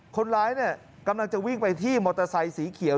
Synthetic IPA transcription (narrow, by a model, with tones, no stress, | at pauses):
kʰo˧nɾaː˦˥jni˥˩ɐ | ka˧mla˧ŋt͡ɕa˨˩wi˥˩ŋpa˧jt̪ʰiː˥˩mɔː˧t̪ɾa˧sa˧jsiː˩˦kʰi˨˩˦